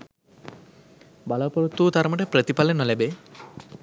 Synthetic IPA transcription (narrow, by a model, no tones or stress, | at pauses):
balapoɾut̪ːuːt̪aɾməʈepɾət̪ipalenɔlebe